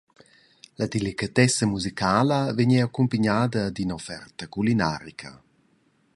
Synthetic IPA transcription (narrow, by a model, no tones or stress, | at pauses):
lad̪elikat̪ɛsamuzikaːləveɲɛakumpaɲaːd̪ɐd̪inofɛ̰rt̪ɐkulina̰ːɾikʰɐ̰